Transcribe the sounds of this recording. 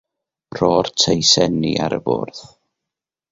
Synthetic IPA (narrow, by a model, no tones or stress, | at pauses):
rɔːrtʰejsɛnia̰ɾəbʊ̰ːrð